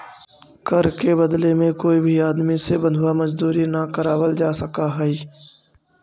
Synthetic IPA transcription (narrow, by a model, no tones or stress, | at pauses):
kəɾkebɐd̪lemẽkoːibʱiaːd̪misebɐ̃nd̪ʱʊwamɐzd̪uːɾinakəɾaːwəld͡ʒaːsəkaɦɛiː